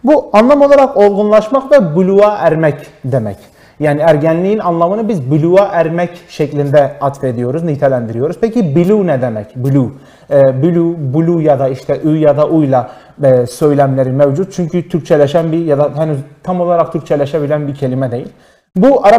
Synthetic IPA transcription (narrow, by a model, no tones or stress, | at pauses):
buɑnlˠɑmo̞lˠaɾaqo̞lˠɡunlˠɑʃmɑqvɛbylʲuaʔæɾmɛcd̪emɛ̰c | jaːniæɾɟænlʲiinɑnlˠamɯnɯbizbylʲuaʔæɾmɛcʃɛclʲind̪ɛat̪fe̞d̪ijo̞ɾuznit̪ʰɛlʲænd̪iɾijo̞ɾuzpʰɛcʰibilʲunɛd̪emɛcbylʲu | ɛbylʲubulʲujad̪ɑiʃt̪ʰɛʔyjjad̪ɑʔujlˠa | søjlʲæmlʲeɾimɛvd͡ʒut̪̚t͡ʃʰyɲcʰyt̪ʰyɾct͡ʃʰɛlʲɛʃænbijad̪ahɛnyzt̪ʰamo̞lˠaɾaqt̪ʰyɾc̚ʲt͡ʃʰɛlʲɛʃɛbilʲænbicʰe̞limɛd̪ejilʲ | buɑɾ